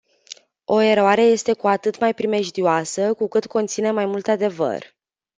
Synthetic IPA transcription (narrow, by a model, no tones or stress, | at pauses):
o̞e̞ɾoaɾe̞je̞st̪e̞kuat̪ɨt̪majpɾime̞ʒd̪ioasəkukɨt̪ko̞nt̪sine̞majmult̪ad̪e̞və̰r